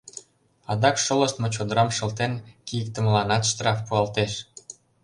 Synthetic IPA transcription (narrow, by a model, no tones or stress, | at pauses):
ɑd̪ɑkʃolə̆ʃt̪mot͡ɕod̪əɾɑmʃɤ̆lt̪enkijək̚t̪ə̆məlɑnɑt̪ʃt̪rɑfpuɑlt̪eʃ